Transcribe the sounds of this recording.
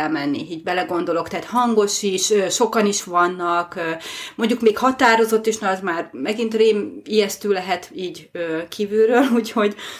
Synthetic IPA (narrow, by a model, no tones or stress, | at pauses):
ɛlmɛnːḭiːɟbɛlɛɡo̞nd̪o̞lo̞kt̪ɛːt̪hɒŋɡo̞ʃiʃøʃo̞kɒniʃʋɒnːɒkømo̞ɲɟukmeːkhɒt̪aːɾo̞zo̞t̪ːiʃnɛɒzmaːrmɛɡint̪reːmijɛst̪yːlɛɦɛt̪iːɟøːkʰiːvylrøːluːcho̞ɟ